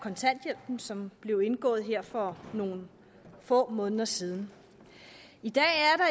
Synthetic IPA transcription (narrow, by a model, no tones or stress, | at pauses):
kʰɒ̽nt͡sʰæn̰d̥jel̰b̥n̩sɒ̽mb̥le̝ʊe̝nɡ̥ɔ̰̽ːð̩ˠɦe̝ɐ̰fɒ̽no̝ːn̩ | fɔ̰̽ːmɔ̽ːnðˠɐsiːð̞ˠn̩ | id̥ɛ̰ːæɐɾɑ̈